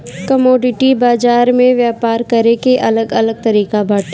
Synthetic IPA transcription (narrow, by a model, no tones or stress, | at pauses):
kɐmoːɖɪʈibaːzaːɾmẽʋjaːpaːɾkɐɾekeʔɐləɡɐləɡ̚t̪ɐɾiːkabʱɐɽ